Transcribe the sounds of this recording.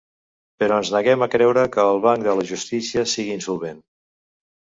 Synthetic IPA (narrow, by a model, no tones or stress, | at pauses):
pəɾɔənznəɣɛməkɾɛwɾəkəːlˠβaŋkd̪ələʒust̪isiəsiɣiːnsulˠβen